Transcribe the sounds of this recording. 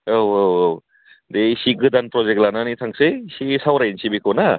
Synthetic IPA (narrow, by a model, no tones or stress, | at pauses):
owowow | d̪ejsiɡɯdanpɾɔzek̚lananit̪ʰaŋsɯjsisawɾajnsibikʰɔna